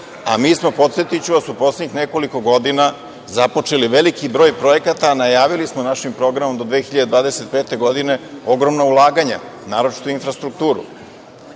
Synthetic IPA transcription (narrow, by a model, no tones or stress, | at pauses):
a̰miːsmo̞po̞t̪sje̞t̪it͡ɕuʋasupo̞sleɲixneko̞liko̞ɡo̞d̪ina | zapo̞t͡ʂe̞liʋe̞likibɾo̞ːjpɾo̞jekat̪anajaːʋilismonaʃimpɾo̞ɡɾamomd̪od̪ʋeːxiʎad̪ed̪ʋaːd̪ese̞t̪̚peːt̪e̞ɡo̞d̪ine̞o̞ɡɾo̞mnaulˠaːɡaɲa̰naːɾo̞t͡ʃi̥t̪oinfɾast̪ɾuk̚t̪uːɾṵ